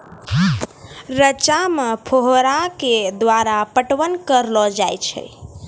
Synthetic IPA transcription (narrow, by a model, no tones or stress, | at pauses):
ɾət͡ʃamepʰoɦɾãked̪ʋaɾapəʈʋənkəɾlɔd͡ʒajt͡ʃʰə̰